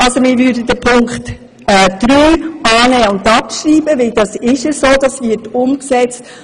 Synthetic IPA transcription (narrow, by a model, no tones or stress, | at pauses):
ɑlsomɪɾʋʏːdəd̥əpʰʊŋkχt | ɛːd̪̥ɾyːɑːnɛːʊntɑpʃɾiːbəʋɪld̥ɑsɪʃɛsoːd̪ɑsʋɪːtʊmksɛt͡st